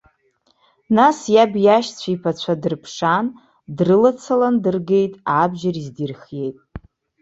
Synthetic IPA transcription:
nasjabjaʃt͡sʷʰaipʰat͡ɕʷʰadɨrpʰʂan | drɨlat͡sʰalandɨrɡe̞jtʼabʒarizdirχje̞jtʼ

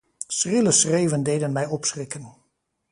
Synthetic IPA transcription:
srɪləsrejvəndejdənmɛjɔpsrɪkən

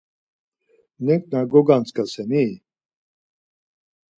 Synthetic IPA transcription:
nɛŋk̚ʼnaɡɔɡant͡skasɛni

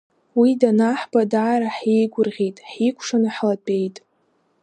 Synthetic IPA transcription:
widanaħbadaːɾaħejɡʷʊrʁʲejtʼħikʷʰʂanaħlapʼe̞jtʼ

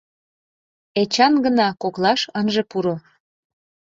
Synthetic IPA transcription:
et͡ɕɑnɡənɑkoklɑʃənʒepuɾo

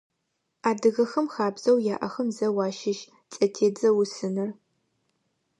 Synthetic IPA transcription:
aːdɨɣɐxɐmxaːbz̥ɐwjaːʔɐxɐmzɐwɑːʃɪʃ | t͡sʼɐtʰeːd͡zɐwʊsɨnɐr

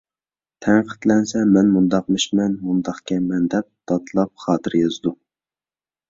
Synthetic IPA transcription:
t̪ʰɛŋqʰə̥t̪lɛnsɛmɛnmund̪ɑqmɨʃmɛnmund̪ɑχkʲɛmɛnd̪ɛp̚d̪̥ɑt̪ʰlˠɑp̚χɑːt̪ʰɨɾjɑzd̪u

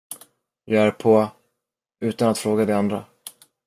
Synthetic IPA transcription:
jɑæːɾpʰo | ʉ̟ːt̪anat̪fɾoːɡad̪ɛand̪ɾa

